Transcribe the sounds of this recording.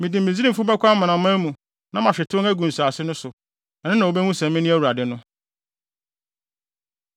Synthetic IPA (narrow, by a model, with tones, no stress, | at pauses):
mĩ˨di˨mĩ˨zi˦i˦˨fʊ˦bɛ˦kʷa˦m˦mã˨nã˨mʊ̃˦æ˦mũ˨ | nã˦mã˨ɕᶣɛ˨tʰʊ̃˦ŋæ˦ɡũ˨n˨su˨a˨sɪ˦nʊ̃˦sʊ˨ | ɛ˨nɪ̃˦nã˨o˨bɛ˦ŋũ˦sɛ̃˨mmɪ̃˦nĩ˦æ˦wu˨ɾa˨dɪ˨nʊ̃˦